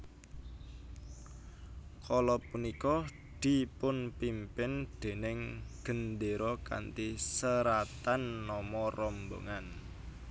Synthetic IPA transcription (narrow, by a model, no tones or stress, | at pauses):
kʰɔlɔpunikɔ | d̪̥i̤pʊnpimpɪnd̪̥e̤nɪŋɡ̥ə̤nd̪eɾɔka̰nt̪isəɾat̪anːɔmɔrɔmbo̰ŋan